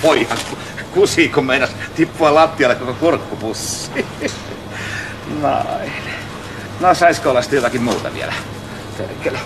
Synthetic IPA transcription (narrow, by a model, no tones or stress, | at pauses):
poiɑŋku | kusiːkummeinɑst̪ipːuɑlɑt̪ːiɑlːekokokurkːupusːiː | no̰in | nosɑiskoolɑst̪jot̪ɑkimmuːt̪ɑ̰ʋḭæ̰læ | t̪ḛkel